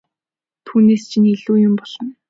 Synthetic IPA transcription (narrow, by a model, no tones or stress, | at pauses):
t̪ʰuːneːst͡ɕʰiniɮuːjʊmpɔɮ̥ɞ̆n